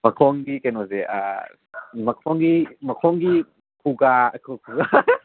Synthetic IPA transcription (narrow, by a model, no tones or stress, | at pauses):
mɐkʰɔŋɡikanozeʔa̰ | mɐkʰɔŋɡimɐkʰɔŋɡi | kʰuɡaɐkʰukʰuɡa